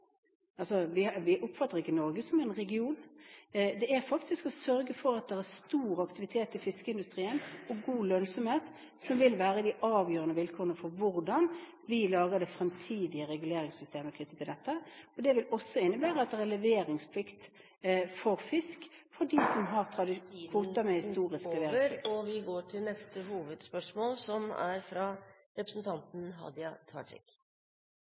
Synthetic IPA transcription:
ɑlsɔʋɪʋɪʔʊpfɑt̪ːəʁɪkːənɔɾɡəsɔmæɪnʁɛɡɪuːn | d̪ɛæɾfɑkt̪ɪskɔsœɾɡəfɔɾɑt̪̚d̪ɛæʁst̪uːɾɑkt̪ɪʋɪt̪ʰeːt̪ɪfɪskəɪnd̪ʉst̪ʁiːənɔɡuːlœnsɔmheːt̪ | sɔmʋɪlʋæːɾəd̪ɪʔɑːʋjøːɾənəʋɪlkʰoːʁənəfɔɾʋʊɾd̪ɑn | ʋɪlɑːʁəd̪ɛfɾɛmt̪ʰiːd̪ɪəɾɛɡʉleːɾɪŋsʏst̪eːməkʰnʏt̪ːət̪ʰɪld̪ɛt̪ːəɔd̪ɛʋɪlɔsːɔɪnːəbæːʁəɑt̪̚d̪ɛʁælɛʋeːɾɪŋspʰlɪkt̪ | fɔʁfɪsk | fɔdisɔmɦɑʁt̪ʰʁɑd̪ɪkʰʋuːt̪ɑmɛhɪst̪uːʁɪskklɛʋeːɾɪəɾɔʋɪɡoːʈʰɪlnɛst̪əhuːʋəd̪spœʂmoːlsɔmæ̰ɾfɾɑ | ɾɛpɾəsn̩t̪ʰɑnt̪n̩ɦɑ̰d̪jɑt̪ʰɑ̰ːʈʰɪ̰k

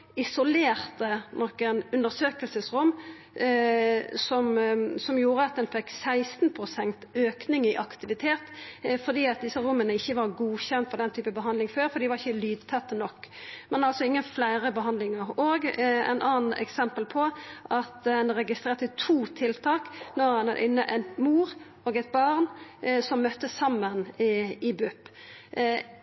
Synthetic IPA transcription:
ɪsʊleːʁt̪ənɔkːənʉnd̪əɾsøːkəlsəsɾʊmː | sɔmsɔmjuːɾəɑt̪̚d̪ɛnfɛkːsæɪst̪n̩pʰɾʊsɛnt̪øːknɪŋɪʔɑkt̪ɪʋɪt̪ʰeːt̪fɔɾd̪iːɑt̪̚d̪ɪsːəɾʊmːənəɪçːəʋɑɾɡuːçɛnt̪fɔd̪ɛnt̪ʰyːpəbəɦɑnd̪lɪŋføːɾfɔɾd̪iːʋɑʁɪçːəlyːd̪̚t̪ʰɛt̪ːnɔkːmɛnɑlsɔɪŋːənflæɪɾəbəɦɑnd̪lɪŋəʁoːɡɛ̰ɪnʔɑːnn̩ɛ̰ksɛmpəlpʰɔʔɑt̪hɛnɾɛɡɪst̪ɾeːʁt̪ət̪ʰuːt̪ʰɪlt̪ʰɑːknɔʁhɑnɑd̪ʔɪnːə̰ʔænmuːɾ | oːɡɛt̪̚bɑʁnsɔmːœt̪ːəsɑmːənɪbʉpː

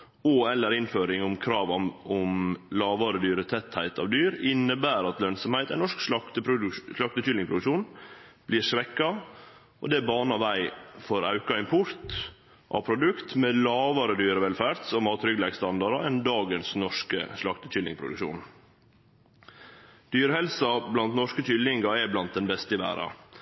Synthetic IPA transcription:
ɔɛlːəɾɪnføːɾɪŋʊmkʰɾɑːʋɑʊmlɑːʋɑːɾəd̪yːɾət̪ʰɛt̪hæɪt̪ʰɑ̰ʋd̪yːɾɪnːəbæːɾɑt̪lœnsɔmhæɪt̪æɪnɔʂksɑkt̪əpʂlɑk̚t̪ət͡ʃʏlɪŋspʰɾʊd̪ʉkʂuːnb̥liːɾʂʋɛkːɑ | ʔɔ̰d̪ɛbɑːnɑʋæɪfɔɾɑ̰ʉkɑɪmpʰʊɾt̪ | ʔɑ̰ʋpʰɾʊd̪ʉkt̪mɛlɑːʋɑɾəd̪yːɾəʋɛlfæːɾt̪sɔmɑːt̪ɾʏɡlɛɡst̪ɑnd̪ɑɾɑɛnd̪ɑːɡənsnɔʂkə̰ʂlɑkt̪ət͡ʃʰʏlɪ̰ŋpʰɾʊ̰d̪ʉ̰kʃṵːn | d̪̥yːɾəhɛlsɑblɑnt̪nɔʂkət͡ʃʏlːɪŋɡɑɛblɑnt̪̚d̪ɛnbɛst̪əɪʋæ̰ːɾɑ̰

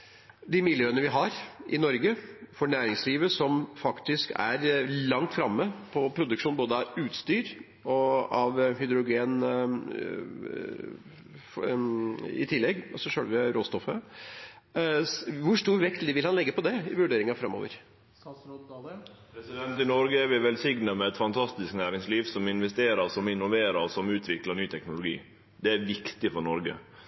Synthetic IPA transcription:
d̪ɪmɪljøːənəʋɪɦɑɾʔɪ̰nɔɾɡəfɔɳæːɾɪŋsliːʋəsɔmfɑkt̪ɪskæ̰ɾlɑŋt̪fɾɑmːəpʰɔpʰɾʊd̪ʉkʂuːnboːd̪əɑʋʉːt̪st̪yːɾ | ɔɑʋɦʏd̪ɾʊɡeːn | ɪ̰t̪ʰɪlːɛɡːɔsɔʂøːlʋəɾoːst̪ɔfːə | ʋʊʂʈ̪uːɾʋɛkt̪liːʋɪlhɑnlɛɡːəpɔd̪ɛɪ̰ʋʉɖeːɾɪŋɑfɾɑmːo̰ːʋə̰ɾ | pʰɾɛsɪd̪ɛnt̪ɪnɔɾɡəæɾʋɪʋɛlsɪɡnəmɛɛt̪fɑnt̪ʰɑst̪ɪsknæːɾɪŋsliːʋsɔmɪnʋɛst̪eːɾəɾsɔmɪnːʊʋeːɾəɾsɔmʉːt̪ʰʋɪkləɳyːt̪ʰɛknʊlʊɡḭː | d̪ɛæʋɪkt̪ɪfɔɾɳɔɾɡə̰

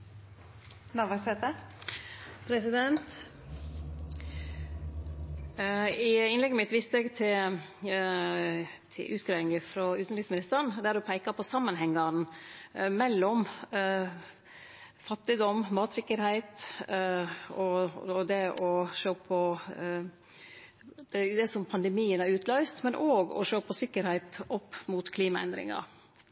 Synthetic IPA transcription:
nɑʋɑsɛt̪ə | pʰɾɛsɪd̪ɛnt̪ | ɪɪnlɛɡəmɪt̪ʋiːst̪əɛɡt̪ʰɪ | t̪ʰɪ̰ʔʉːt̪̚ɡɾɛːɪŋəfɾɑʉːt̪nɾismɪnɪst̪əɳd̪æɾɔpʰæɪkɑpʰɔsɑmːənhɛŋːɑn | mɛlːɔm | fɑt̪ːɪd̪ɔmmɑːt̪sɪkːəɾhæɪt̪ | ɔd̪ɛʔɔʃøːpʰɔ | d̪̥ɛd̪ɛsɔmpʰɑnd̪ɛmiːənæɾʉːt̪lœʏst̪mɛnʔoːɡɔ̰ʂøːpʰɔsɪkːəɾhæɪt̪ɔpːmʊt̪kʰliːmɑɛ̰nd̪ɾɪ̰ŋɑ̰ɾ

